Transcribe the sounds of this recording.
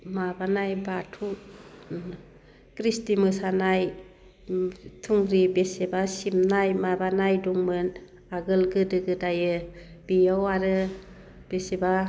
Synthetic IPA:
mabanajbatʰu | kɾistimɯsanaj | tʰuŋɾibesebasimnajmabanajdɔŋmɯn | aɡɯlɡɯdɯɡɯdajɯ | b̥ijɔwaɾɯ | b̥eseba

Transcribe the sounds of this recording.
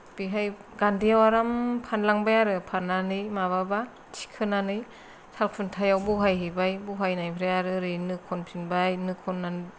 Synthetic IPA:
b̥iɦajɡandijawaɾampʰanlaŋbajaɾɯpʰanːanɯjmaβaba | tʰi̥kʰɯnanɯj | tʰalkʰɯntʰajawbuɦajɦibajbuɦajnajpʰɾajaɾɯɾɯjnɯkʰɔnpʰinbajnɯkʰɔnːan

